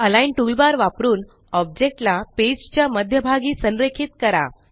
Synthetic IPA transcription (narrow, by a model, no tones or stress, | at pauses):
əlainʈuːlbaɾʋapɾuːn | ɔb̚d͡ʑek̚ʈlaped͡ʑt͡ɕjaməd̪ʱjəbʱaɡiːsənɾekʰiːt̪kəɾa̰